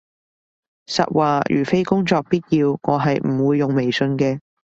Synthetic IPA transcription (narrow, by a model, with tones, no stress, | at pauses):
sɐ̰˨t̚wʔaː˨˩jy̰ː˨˩fe˥jkʊ˥ŋt͡sɔː˧k̚piː˥t̚jiː˧wŋɔː˨˧ɦɐ˨jm̩˨˩wuː˨˧jːʊ˨ŋme˨˩jsɵ˧nkɛː˧